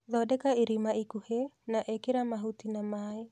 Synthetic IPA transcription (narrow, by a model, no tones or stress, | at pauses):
ðɔdɛkaiɾimaikuhenaʔekeɾamaɦutinamae